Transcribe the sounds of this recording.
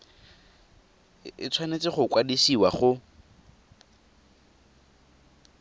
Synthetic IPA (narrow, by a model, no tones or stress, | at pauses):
ɪt͡sʰwanet͡sɪχʊkwadisiwaχʊ